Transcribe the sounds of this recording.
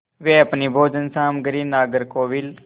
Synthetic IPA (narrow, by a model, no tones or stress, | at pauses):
ʋeːəpniːbʱoːd͡ʒənsaːmɡəɾiːnaːɡəɾkoːʋiːl